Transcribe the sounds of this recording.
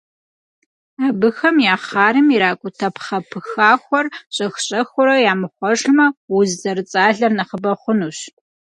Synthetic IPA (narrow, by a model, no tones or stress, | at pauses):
aːbɨxɐmjaːχaːɾɨmiɾaːkʷʼʊtʰɐpʰχɐpʰɨxaːxʷɔrɕʼɐxɕʼɐxʷʊɾɐjaːmɨχʷɔʂmɐwʊzzɐrɨt͡sʼaːɮɐrnɐχəbɐχʷʊnuːɕ